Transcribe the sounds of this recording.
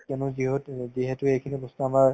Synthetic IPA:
kɛnʊziɦotziɦɛtʊejkʰinibɔstuamaɹ

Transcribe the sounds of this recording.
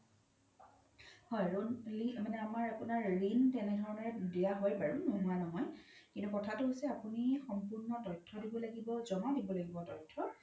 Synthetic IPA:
hɔjɹonlimanɛamaɹapʊnaɹɹintɛnɛdʱɔɹɔnɔɹɛdijaɦojpaɹunoɦuanɔɦɔjkintukɔtʰatʊɦojsɛapunixɔmpʊɹnɔtɔjtʰːɔdibɔlaɡibɔzɔmadibɔlaɡibɔtɔjtʰːɔ

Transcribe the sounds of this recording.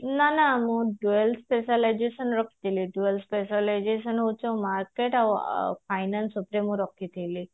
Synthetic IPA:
nanamũɖuelspesalajd͡ʒesənɾɔkːi̥t̪ʰiliɖuelspesalajd͡ʒesənot͡ʃomaɾkeʈaʋfʰajnansupɾemũɾɔkːit̪ʰijli

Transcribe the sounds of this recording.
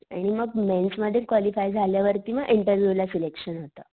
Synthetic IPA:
aɽ̃iməɡmɛnsməd̪ʱːjekʋɔlifajd͡zʱaljaʋəɾt̪iʋaɡiɳʈəɾʋjulasilekɕənɦot̪a

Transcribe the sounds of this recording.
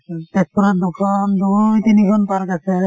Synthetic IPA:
tɛspɔɾat̚d̪ukʰɔnd̪ujt̪inikʰɔnpaɾkasɛ

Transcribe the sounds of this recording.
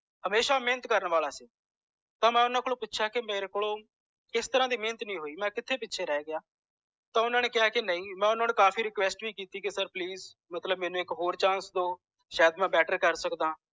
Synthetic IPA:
həmeːʃaːmẽːnət̪kəɾəɳʋaːlaːseː | t̪ãːmɛ̃ːʊnãːklõːpʊtːʃʰaːkɪmeːɾeːkʊɭõː | ɪst̪əɾãːd̪iːmẽːnət̪nĩːɦoːiːmɛ̃ːkɪt̪ʰːeːpɪtːʃʰeːɾɛːɡɪjaː | t̪ãːʊnãːneːkɪaːkɪnəĩːmɛ̃ːʊnãːneːkaːpʰiːɾɪkʋɛːsʈbiːkiːt̪iːkesəɾpliːz | mət̪ləbmɛːnũːɪkɦoːɾt͡ʃãːnsd̪oː | ʃaːd̪mɛ̃ːbɛːʈəɾkəɾsəkd̪ãː

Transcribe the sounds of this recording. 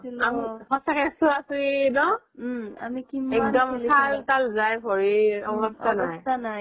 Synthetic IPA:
amiɦɔsakɛsʊasuinɔ | amikiɛk̚dɔmkʰaltalzajbʱɔɹiɔbɔstʰanajtʰnaj

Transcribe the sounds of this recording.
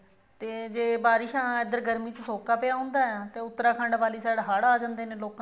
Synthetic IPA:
t̪eːd͡ʒeːbaːɾɪʃãːed̪əɾɡəɾmiːt͡ʃəsoːkaːpɪjaːɦʊ̃ːnd̪aːɛt̪eːʊt̪ːəɾaːkʰəɳɖʋaːliːsaːɽɦaːɽaːd͡ʒãːnd̪eːneːloːkã

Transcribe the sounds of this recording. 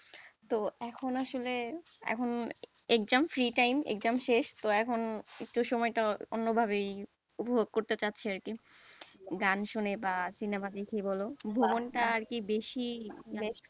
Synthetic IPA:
t̪oɛkʰonaʃoleɛ̰kʰon | ek̚d͡ʑamfɾiʈajmḛkd͡ʑamʃeʃt̪oɛkʰonek̚ʈuʃɔmɔeʈao̰nːobʱaβej | upobʱoɡ̚koɾt̪et͡ɕatːɕʰeaɾki | ɡanʃunebasinemad̪ekʰebɔlobʱobonʈaaɾkibeʃibes

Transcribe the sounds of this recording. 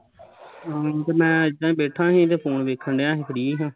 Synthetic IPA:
aːt̪eːmɛ̃ːəd͡ʒd͡ʒãːĩːbeːʈʰãːɦĩːt̪̬eːpʰoːnʋeːkʰəɳɖejãːɦeːpʰəɽiːɦãː

